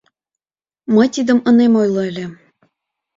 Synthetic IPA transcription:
məjt̪id̪əmənemojlɤəlʲĕ

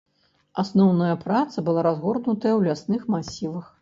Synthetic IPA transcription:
asnɔwnɐjɐpɾat̪sɐbɨlˠaɾazɣɔrnut̪ɐjɐwlʲasnɨxmasʲivɐx

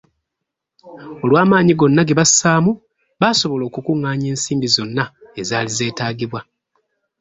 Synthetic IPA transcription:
o̞lwaːmaːɲiɡo̞nːaɡe̞βasaːmu | βaso̞βo̞lo̞ːkukuŋːaːɲe̞ːnsiːmbizo̞nːae̞zaːlize̞ːtaːɡiβwa

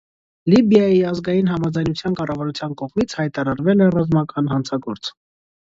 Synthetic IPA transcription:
libjɑjiɑzɡɑjinɦɑmɑd͡zɑjnut͡sʰjɑnkɑrɑvɑɾut͡sʰjɑnkɔʁmit͡sʰhɑjt̪ɑɾɑɾvɛlɛrɑzmɑkɑnɦɑnt͡sʰɑɡɔɾt͡sʰ

